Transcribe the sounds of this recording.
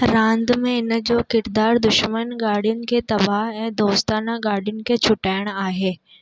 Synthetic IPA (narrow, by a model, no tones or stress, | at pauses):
ɾãːnd̪mẽɪnd͡ʑoːkɪɾd̪aːɾd̪ʊʃmənɡaːɽijʊnɪ̆kʰet̪ɐbaɦɛ̃ːd̪oːst̪aːnaɡaːɽijʊnɪ̆kʰet͡ɕʰʊʈaːɪəɽ̃aːɦeː